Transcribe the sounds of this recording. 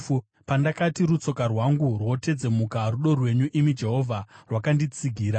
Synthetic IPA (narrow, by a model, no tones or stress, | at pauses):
pandakatiɾut͡so̞karwaŋɡurwo̞te̞d͡ze̞mukaruɗo̞rwe̞ɲuʔimid͡ʒe̞ɦo̞vʱarwakandit͡siɡʱiːɾa